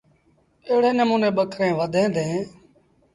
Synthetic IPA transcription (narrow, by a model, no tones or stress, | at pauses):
eːɽeːnəmuːneːɓəkʰɾẽːʋəd̪ʱẽːd̪ẽː